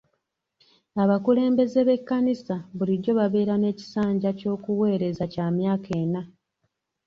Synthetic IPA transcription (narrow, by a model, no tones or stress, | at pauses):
aβakule̞ːmbe̞ze̞βe̞kːanisaβuliɟo̞βaβe̞ːɾane̞ːci̥saːɲɟaco̞ːkuwe̞ːɾe̞zacaːmjaːkʰe̞ːna